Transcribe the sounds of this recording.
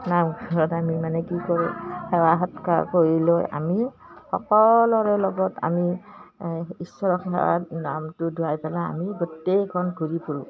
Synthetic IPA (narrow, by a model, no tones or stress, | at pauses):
namɡʱɔɹɔtamimanɛkikɔɹũxɛwaɦɔtka̰koɹilojʔa̰mi | xɔ̰kɔlɔɹɛlɔɡɔta̰mi | isɔɹɔxʰɛ̰wa̰namtʊdʱuajpɛlaa̰miɡotejkʰɔnɡʱuɹipuɹũ